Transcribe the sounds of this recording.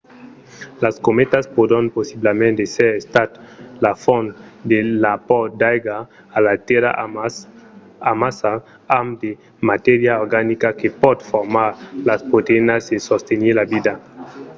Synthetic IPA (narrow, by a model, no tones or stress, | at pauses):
laskomet̪aspod̪anposiblamẽnt̪eseɾest̪at̪lafɔnd̪elapɔd̪ajɡaː | lat̪eɾa̰ | amasa | amd̪e | mat̪eɾjaoɾɡanikakepɔd̪foɾmaɾlaspot̪enasesost̪eniɾlabid̪a